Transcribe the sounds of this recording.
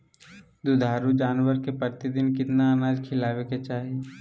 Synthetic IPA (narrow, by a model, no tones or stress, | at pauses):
d̪ud̪ʱaːɾud͡ʒaːnʋəɾkepəɾt̪id̪ɪnkɪt̪naənaːd͡ʒkʰɪlaːʋeket͡ʃaːɦie